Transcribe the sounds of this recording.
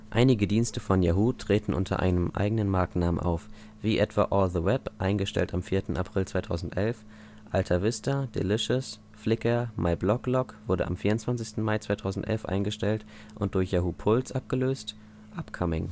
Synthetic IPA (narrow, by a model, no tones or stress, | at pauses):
ʔaɪnɪɡədiːnstəfɔnjaɦuːtʁ̥eːtn̩ʔʊ̰ntʰɐ̰ʔa̰ɪnəmʔa̰ɪɡənənmaɐknaːmə̰nʔa̰ʊf | v̥iːʔɛtv̥a̰ʔɔːlðəwɛpʔaɪnɡəʃtɛ̰ltamfiːɐtn̩a̰pʁ̥ɪlt͡sv̥aɪtʰaʊzn̩tʔɛlf | ʔaltʰɐvɪstɐd̥ḛlɪʃəs | flɪkɐmʔaɪblɔklɔkv̥ʊɐdə̰a̰mfiːɐʊntt͡sv̥ansɪçstn̩maɪt͡sv̥aɪtʰaʊzn̩tʔɛ̰lfʔa̰ɪnɡəʃtɛlt | ʔʊnt̚d̥ʊɐçjaːɦuːpʰʊlt͡sʔap̚ɡ̥əløːst | ʔapkʰɔmɪ̰ŋ